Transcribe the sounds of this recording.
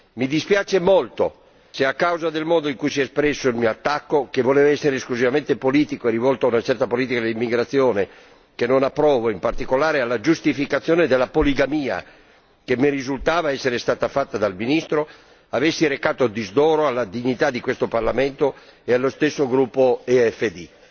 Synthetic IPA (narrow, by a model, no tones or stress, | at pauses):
mid̪ispjaːt͡ʃemolt̪o | seakːawzad̪elmɔːd̪oiŋkujsiɛspɾɛsːoilmiːoat̪ːakːokevoleːvaɛsːeɾeskluzivamẽnt̪epoliːt̪ikoerivɔlt̪oaunat͡ʃɛrt̪apoliːt̪ikad̪elimːiɡɾat̪sːjoːne | kenːonapːɾɔːvoimpart̪ikolaːɾealːad͡ʒust̪ifikat̪sːjoːned̪elːapoliɡamiːa̰ | kemːerizult̪aːvaɛsːeɾest̪aːt̪afat̪ːad̪alminist̪ɾo | avesːiɾekaːt̪od̪izd̪ɔːɾoalːad̪iɲːit̪ad̪ikwest̪oparlament̪oealːost̪esːoɡɾupːoeɛfːed̪i